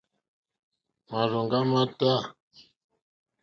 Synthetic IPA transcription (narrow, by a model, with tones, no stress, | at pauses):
ma˨ɾo˨ŋɡa˦ma˦ta˦˨